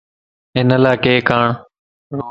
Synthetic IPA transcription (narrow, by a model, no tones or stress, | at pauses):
ɦɪnəlaːkeːkaːɳ